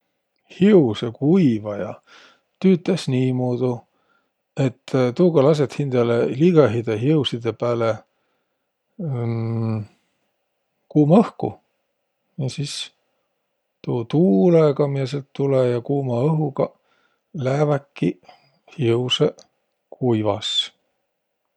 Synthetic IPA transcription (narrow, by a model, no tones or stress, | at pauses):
hiusekuivɑjɑ̰ | t̪yːt̪ːˑesniːmoːd̪̥u | e̞t̪ːt̪uːɡ̥ɑlɑs̬et̪hind̪̥ɑleliɡ̥ɑɦid̪̥eɦiusid̪e̞pæːle | kuːmɑɤhkṵ | jɑsis | t̪uːt̪uːleɡɑmies̬elt̪ːulejɑkuːmɑɤɦuɡɑ | læːvækːi | hiwse | kʰujvɑs